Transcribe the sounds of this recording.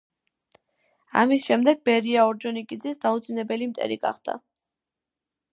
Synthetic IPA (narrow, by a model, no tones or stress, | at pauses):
a̰misʃɛmd̪ɛɡ̚bɛɾiaɔɾd͡ʒɔnikʼid̪zisd̪aut̪zʰinɛbɛlimt̪ʼɛ̰ɾiɡa̰χd̪̥a̰